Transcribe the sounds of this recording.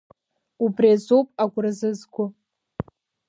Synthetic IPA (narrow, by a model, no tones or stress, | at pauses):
ubriazopʼaɡʷʊrɨzɨzɡʷʊ